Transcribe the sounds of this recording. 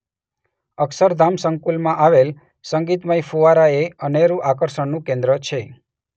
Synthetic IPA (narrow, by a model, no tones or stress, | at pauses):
əksəɾd̪ʱamsəŋkulmãʔaʋel | səŋɡit̪məjfuʋaɾaeəneɾũʔakəɾʃəɳnũkẽnd̪ɾət͡ʃʰe